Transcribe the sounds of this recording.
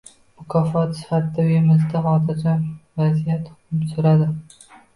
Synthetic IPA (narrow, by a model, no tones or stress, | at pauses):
mʊkʰɒfɒt̪sɪ̥fat̪ɪd̪aemɪzd̪aɦɒd̪aɾd͡ʒanvazijat̪ʊmsʊɾad̪ɪ